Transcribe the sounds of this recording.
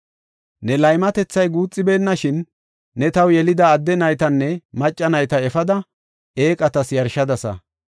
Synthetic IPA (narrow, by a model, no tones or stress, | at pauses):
nɛlɐjmɐt̪ɛt͡sːɐjɡuːt͡sʼːɪbe̞ːnːɐʃɪnː | ɛt̪ɐwjɛlɪd̪ɐːd̪ːɛnɐjt̪ɐnːɛmɐt͡ʃʼːɐnɐjt̪ɐɛfɐd̪ɐ | eːkʼɐt̪ɐsjɐɾʃɐd̪ɐsɐ̰